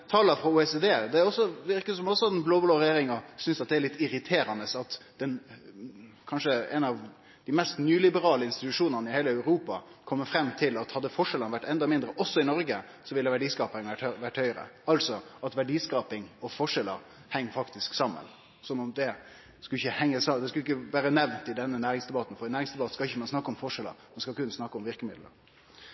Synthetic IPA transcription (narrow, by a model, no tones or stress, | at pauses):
t̪ʰɑːləfɾɑuːɛsed̪eːd̪ɛɾɔsɔʋɪɾkəsɔmɔsɔɛnbloːbloːɾɛjeːɾɪŋɑsʏnsɑt̪̚d̪ɛæɭɪt̪ːɪɾɪt̪ʰeːɾɑnəsɑt̪d̪̥ɛn | kʰɑnʂəɛ̰nɑʋ | d̪̥ɪmɛst̪nyːlɪbəɾɑːləɪnst̪ɪt̪ʉʂuːnənəɪheːləæʉɾuːpɑkʰɔmːəfɾɛmːt̪ʰɪlɑt̪hɑd̪ːəfɔʂɛlənʋæʈːɛnd̪ɑmɪnd̪ɾəʔɔsːɔɪnɔɾɡə | sɔʋɪlːəʋæɖiːskɑːpnæʈʋæʈːhœʏɾə̰ɑlsɔɑt̪ʋæɖiːskɑːpɪŋɔfɔʂɛləɾ | hɛŋːfɑkt̪ɪsksɑmːə̰n | sɔnːɔmd̪ɛ | skʉlɪçəhɛŋːəsɑd̪ɛskʉlɪk̬ːəʋæːɾənɛʋnt̪ɪd̪ɛnːənæːɾɪŋsd̪ɛbɑt̪n̩fɔɾɛnæːɾɪŋsd̪ɛbɑt̪ə̥skɑɪçəmɑnsnɑkːəɔmfɔʂɛlə̰ɾmɛnskɑlkʉnsnɑkːəɔmʋɪɾkəmɪd̪l̩ə̰ɾ